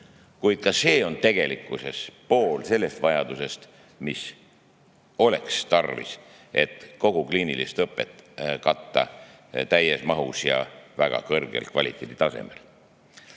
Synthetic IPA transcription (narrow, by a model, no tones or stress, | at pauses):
kujd̪̥̚kɑse̞ːo̞nt̪e̞ɡ̥e̞likːˑuse̞spo̞ːlse̞lːe̞st̪vɑjɑd̪̥use̞st̪ | mis | o̞le̞̰kst̪ɑrvḭs | ʔe̞t̪ko̞ɡ̥ukliːnilist̪ɤpːˑe̞t̪ːˑkɑt̪ːɑ̰t̪æjesmɑɦusjɑ̰væɡ̥ɑ̰kɤrɡ̥e̞̰lkvɑlʲit̪ˑːeːd̪̥it̪ɑse̞̰mḛl